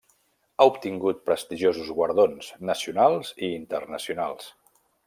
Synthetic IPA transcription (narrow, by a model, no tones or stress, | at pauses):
aupt̪iŋɡut̪̚pɾəst̪iʒozuzɣwəɾðonsnəsiunalˠziːnt̪ərnəsiunalˠs